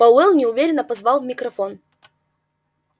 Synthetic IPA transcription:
ɐwɛlˠnʲɪʊvʲeɾʲɪnːəpɐzvalˠvmʲɪkɾɐfon

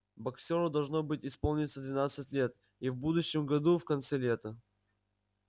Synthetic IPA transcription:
bɐksʲoɾəd̪ɐlˠʐnobɨtʲɪspolˠnʲɪt̪səd̪vʲɪnat̪sɨtʲlʲe̞t̪ | ivbud̪ʊɕːɪmɡɐd̪ufkɐnt̪sɛlʲet̪ə

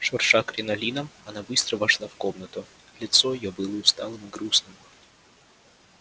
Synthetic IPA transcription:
ʂɐrʂakɾʲɪnɐlʲinəmɐnabɨst̪ɾəvɐʂlˠafkomnət̪ʊ | lʲɪt̪soɪjobɨlˠəʊst̪alˠɨmɨɡɾusnɨm

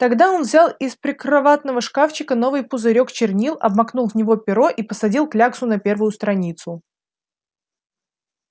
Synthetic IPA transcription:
t̪ɐɡd̪ao̞nvzʲalˠɪspɾʲɪkɾɐvat̪nəvəʂkaft͡ɕɪkəno̞vɨjpʊzɨɾʲo̞kt͡ɕɪrnʲilˠɐ̰bmɐknulˠvnʲɪvo̞pʲɪɾo̞ʔipəsɐdʲilˠklʲaksʊnɐpʲe̞rvʊjʊst̪ɾɐnʲit̪sʊ

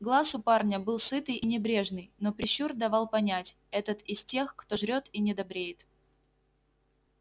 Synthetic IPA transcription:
ɡlˠasʊparnʲəbɨlˠsɨt̪ɨjʔinʲɪbɾʲe̞ʐnɨjno̞pɾʲɪɕːurd̪ɐvɑlˠpɐnʲætʲ | ɛt̪ət̪ɪsʲtʲe̞xkt̪o̞ʐɾʲo̞t̪inʲɪd̪ɐbɾʲejɪt̪

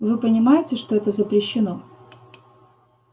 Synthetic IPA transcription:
vɨpənʲɪmajɪtʲɪʂt̪oɛt̪əzəpɾʲɪɕːɪno

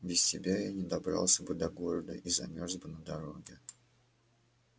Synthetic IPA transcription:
bʲɪsʲsʲɪbʲajanʲɪd̪ɐbɾɑ̰lˠsʲəbɨd̪ɐɡo̞ɾəd̪ə̰ʔizɐ̰mʲorsbɨnəd̪ɐɾo̞ɡʲɪ

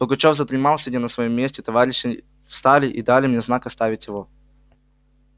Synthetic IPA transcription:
b̥əɡɐt͡ɕovzət̪ɾʲɪmalˠsʲɪdʲenəsvɐjomʲːesʲtʲɪt̪ɐvaɾʲɪɕːɪ | fst̪alʲɪʔid̪alʲɪmnʲeznakɐst̪avʲɪtʲjɪvo

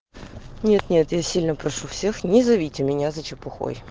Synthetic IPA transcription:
nʲe̞t̪nʲe̞t̪jasʲilʲnəpɾɐʂufsʲe̞xnʲɪzɐvʲitʲɪmʲɪnʲazɐt͡ɕɪpʊxo̰j

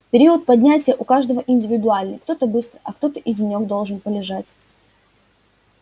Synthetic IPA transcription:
pʲɪɾʲiət̪̚pɐdʲnʲætʲɪjəʔʊkaʐd̪əvəʔɪnʲdʲɪvʲɪd̪ʊalʲnɨjkt̪o̞t̪əbɨst̪ɾəʔɐkt̪o̞t̪əʔɪdʲɪnʲo̞ɡd̪o̞lˠʐɨnpəlʲɪʐatʲ

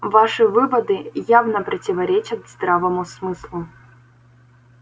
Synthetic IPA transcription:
vaʂɨvɨvɐd̪ɨjavnəpɾʲɐtʲɪvɐɾʲet͡ɕɐt̪zd̪ɾavəmʊsmɨslˠu

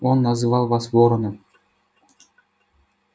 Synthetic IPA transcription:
onːɑzɯvɑlˠβɑsvoɾɤ̆nɤ̆

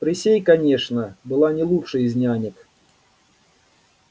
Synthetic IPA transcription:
pɾʲɪsʲejkɐnʲeʂnəbɨlˠanʲɪlˠuʂɨjizʲnʲanʲɪk

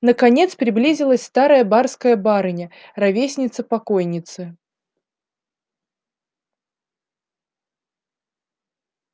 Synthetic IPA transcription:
nəkɐnʲe̞t̪spɾʲɪblʲizʲɪlˠəsʲst̪aɾəjəbarskəjəbaɾɨnʲərɐvʲesʲnʲɪt̪səpɐko̞jnʲɪt̪sɨ

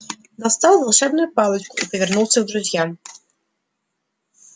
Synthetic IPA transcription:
d̪ast̪awvalˠʂɛb̚nujupalɛt͡ʃkuipɔvʲɛɾnuwt̪sɨwd̪ɾud͡ʑʲjam

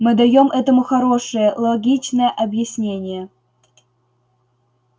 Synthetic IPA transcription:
mɨd̪ɐjomʔɛt̪əmuxɐɾoʂəjəlˠoɡʲit͡ɕnəjəʔɐbjɪsʲnʲenʲɪjə

